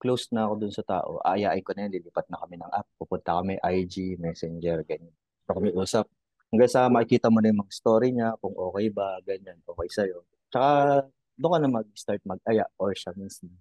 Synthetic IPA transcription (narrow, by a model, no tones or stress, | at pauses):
klowsnɐʔɐko̞d̪ʊnsɐt̪a̰ːʔo̞̰ʔa̰ʔɐjaːʔɪnkonɐjanliliːpɐt̪̚nɐkɐmɛnɐŋʔap̚pupʊnt̪ɐkɐmɛʔajd͡ʒimɛsɛnd͡ʒɛɹɡɐɲan | okɐmɪʔuːsɐp̚ | hɐŋɡaŋsɐmɐʔɪkiːt̪ɐmonɐjʊŋmɐŋɐɪst̪oɾiɲakʊŋʔo̞ːkɛjbɐɡɐɲanʔo̞ːkɛjsɐjo̞ | t͡ʃɐka | d̪ʊkɐnɐmɐɡ̚st̪aɹt̪̚mɐɡ̚ʔɐjaʔʔoɹʃaminsɪn